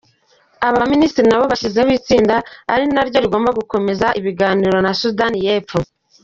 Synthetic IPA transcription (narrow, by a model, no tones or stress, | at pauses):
aβaminiːstiɾinaβo̞βaʃize̞βiːt͡siːndaa̰ɾinaɾɟo̞ɾiɡo̞ːmbaɡuko̞me̞zaʔiβiɡaːniːɾo̞nasudanije̞ːpfo